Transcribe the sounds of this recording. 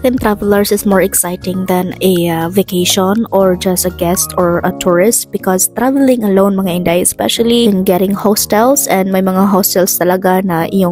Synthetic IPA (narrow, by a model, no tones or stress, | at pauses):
t̪ɪ̃ŋt̪ɾavɛlɐɹsɪsmɔɹɛksajt̪ɪ̃ŋd̪ɐ̃nɛavɪkeʃɔnɔɹd͡ʒɐsɐɡɛst̪ɔɹʔɐt̪ʰuɹɪst̪̚b̥ɪkɔst̪ɾavɛlɪ̃ŋɐlownmɐŋaɪ̃nd̪ajɛspɛʃɐlinɡɛɾɪ̃ŋhost̪ɛlsɛ̃nd̪̚mɐjmɐŋaɦost̪ɛlst̪ɐlɐɡanɐʔɪ̰joŋ